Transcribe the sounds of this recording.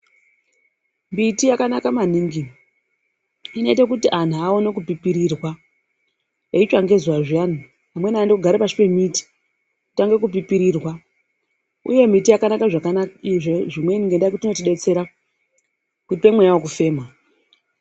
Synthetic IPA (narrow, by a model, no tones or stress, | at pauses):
mbitijakanakamaniːŋɡi | ino̞it̬ak̬utiʔan̤uao̞nekupipiɾirwa | eit͡ʃaŋɡe̞zuwaʐian̤u | amwe̞naːndokuɡʱaɾepaʂi̥pe̞miti̥ | ku̥taŋɡe̞kup̬ipiɾirwa | ṵje̞mitijakanakaʐakakiʐeʐimwe̞niŋɡendaikutino̞tiɗe̞t͡se̞ɾa | kutipemwejawokufe̞ːma